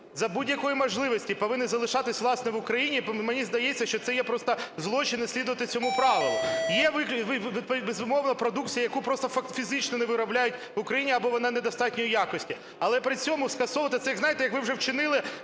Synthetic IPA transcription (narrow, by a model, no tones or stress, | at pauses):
zɐbudʲjɐkɔjimɔʒlˠɪʋɔsʲtʲipɔʋɪnɪzɐlˠɪʃɑt̪ɪsʲʋlˠɑsnɛʋʊkɾɐjinʲimenʲizd̪ɐjeɛt͡sʲːɐʃt͡ʃɔt̪sɛjɛpɾɔst̪ɐzlˠɔt͡ʃɪnɪsʲlʲid̪ʊʋɐt̪ɪt͡sʲɔmupɾɑʋɪlˠʊjɛʋɪkʲʋɪbezʊmɔʋnɐpɾɔd̪ukt͡sʲijɐjɐkupɾɔst̪ɔfɐkfʲizɪt͡ʃnɔnɛʋɪɾɐblʲajʊt̚ʲʋʊkɾɐjinʲiɐbɔʋɔnɪnɛd̪ɐst̪ɑtʲnʲɔjijakɔsʲtʲi | ɐlˠɛpɾɪt͡sʲɔmʊskɐsɔʋɐt̪ɐt̪sɛjɐɡznɑjɪt̪ɛjɐkʋɪwʐɛwt͡ʃɪnɪlˠɪ